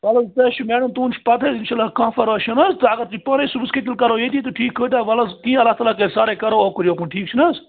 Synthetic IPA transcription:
ʋɐlɐzt̪ɐʃʰumɛːɖɐmt̪ũːnt͡ʃʰpɐt̪ʰezɪnʃaːlːaːkãːfɐɾaːʃɐnɐzt̪ɨɐɡɐɾt̪uipãːnesubsket̪̬ilkɐɾoːjeːd̪it̪̬oʈʰiːkʰːoːd̪ʲaːʋɐlɐzkĩːɐlːaːɦt̪aːlaːkɐsaːɾeːkɐɾooːkəɾjoːkunʈʰiːk̚t͡ʃʰinɐz

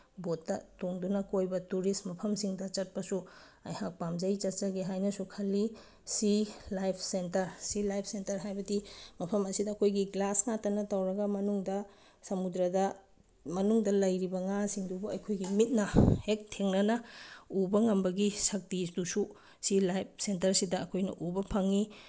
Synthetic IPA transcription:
botːɐtoŋdunɐkojbɐtuɾismɐpʰɐmsiŋdɐt͡ʃɐt̚pɐsu | ɐjhak̚pamd͡ʒɐjt͡ʃɐt̚t͡ʃɐɡeɦajnɐsukʰɐlːi | silajpʰsentɐɾsilajpʰsentɐɾɦajbɐdimɐpʰɐmɐsidɐːkʰojɡiɡlasŋatɐnɐtawɾɐɡɐmɐnuŋdɐ | sɐmudɾɐdɐ | mɐnuŋdɐlɐjɾibɐŋasiŋdubuɐjkʰojɡimit̚nɐhek̚tʰeŋnɐnɐubɐŋɐmbɐɡisɐk̚tisdusu | silajp̚sentɐɾsidɐːkʰojnɐ̰ʔubɐpʰɐŋi

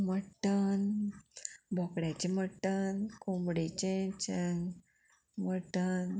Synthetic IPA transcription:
məʈːən | bʱɔkɽjat͡ɕeməʈːənkombɽet͡ɕẽt͡ɕəŋ | məʈən

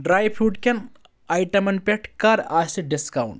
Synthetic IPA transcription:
ɖɾaːjpʰuːʈkʲen | ajʈɐmɐnpʲeʈkɐɾaːst̪iɖiskawɳʈ

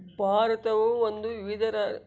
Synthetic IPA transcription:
bʱaːɾɐt̪ɐʋuʋond̪uʋiʋid̪ɐɾɐ

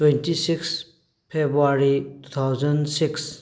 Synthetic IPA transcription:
twentisiks | pʰebɾuaɾitut̪ʰawzənsiks

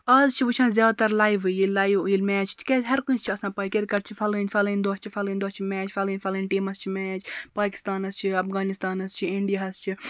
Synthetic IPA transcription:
ɐzt͡ʃʰiʋɨt͡ʃʰãːzjaːd̪t̪ɐɾlaːjʋɨjilːaːjʋjilmɛːt͡ʃʰt̪ʰkʲeɦɐɾkũnst͡ʃʰiɐsãːpɐːkeɾkɐɾt͡ʃʰifɐlɨnʲfɐlɨnʲd̪oːt͡ʃʰifʰɐlɨnʲd̪oːst͡ʃʰimɛːt͡ʃʰfʰɐlɨːnʲfʰɐlɨnʲʈiːmɐst͡ʃʰimɛːt͡ʃʰpaːki̥st̪aːnɐst͡ʃʰiɐpʰɣaːnist̪aːnɐst͡ʃʰiiɳɖijaɦɐst͡ʃʰi

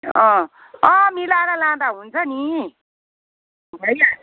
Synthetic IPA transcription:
ʌ̃ | ʌ̃milaɾʌlãd̪aɦunt͡sʰʌni | bʱʌja

